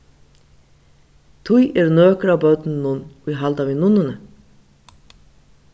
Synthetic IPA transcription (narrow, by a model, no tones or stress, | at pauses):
t̪ʰujɛɾnøːkɾawbœt̪nnʊniɦald̪avɪnʊnənə